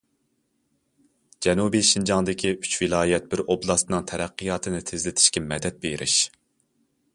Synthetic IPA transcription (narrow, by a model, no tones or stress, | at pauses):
d͡ʒɛnubiʃind͡ʒɑŋd̪ɪkʲʰiy̥t͡ʃvɪlˠɑːjɛt̪̚bɪɾoblˠɑst̪nɨŋt̪ʰɛɾɛqːijɑːt̪ʰɨnɪt̪ʰezlɪt̪ʰɪ̥ʃkʲɛmɛd̪ɛt̪̚beɾʔɪ̰ʃ